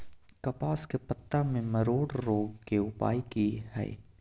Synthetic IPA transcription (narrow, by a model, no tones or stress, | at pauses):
kɐpaːskepɐt̪ːamẽmɐɾoːɖɾoːɡkeʊpa̰ːikihɛ̰ḛ